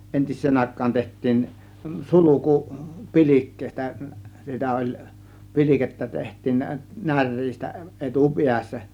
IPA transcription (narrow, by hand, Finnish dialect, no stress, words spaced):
entisˑeːn ɑˑe̝kˑɑːn tehtˑiːn suluku pi̞lʲikːeˑistæ sitæ olʲ pi̞lʲiketːæ tehtˑiːn næ nær̆ʲriːstæ ʔetu piæsːæ